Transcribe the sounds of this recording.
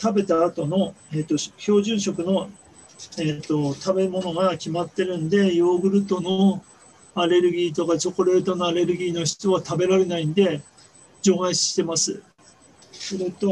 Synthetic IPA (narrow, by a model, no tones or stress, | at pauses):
t̪abe̞t̪aːt̪o̞no̞eːt̪ːo̞çʲo̞ːʑɨ̃ɰ̃ɕo̞kɯ̟no̞ | eːt̪ːo̞t̪ʰabe̞mo̞no̞ɡakʲimat̪ːe̞ɾɯ̟̃nd̪e̞jo̞ːɡɯ̟ɾɯ̟t̪o̞no | aɾe̞ɾɯ̟ɡʲiːt̪o̞kat͡ɕo̞ko̞ɾe̞ːt̪o̞no̞aɾe̞ɾɯ̟ɡʲiːno̞çi̥t͡sɨβat̪abe̞ɾaɾe̞naĩnd̪e̞ | d͡ʑo̞ːɡaiɕi̥ɕi̥t̪e̞masɨ | soɾet̪o̞